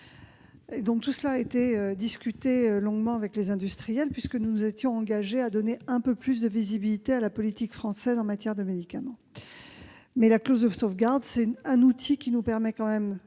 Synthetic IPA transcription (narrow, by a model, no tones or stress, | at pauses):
ed̪ɔ̃k̚t̪usəlaet̪eød̪iskʲyt̪eølɔ̃ɡmɑ̃avɛklezɛ̃d̪yst̪χijɛlpɥiskənunuzet̪jɔ̃ɑ̃ɡaʒead̪ɔneɛ̃pøplys̬d̪əvizibilit̪ealapɔlit̪ikfχɑ̃sɛzɑ̃mat̪jɛʁd̪əmed̪ikamɑ̃ | mɛlaklozd̪əsofɡaʁd̪sɛɛ̃nut̪ʰikʲinupɛʁmɛkɑ̃mɛm